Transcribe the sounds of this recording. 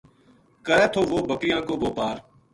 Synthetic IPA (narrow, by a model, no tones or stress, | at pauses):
kəɾɛːt̪ʰoːʋoːbəkɪjãːkoːboːpaːɾ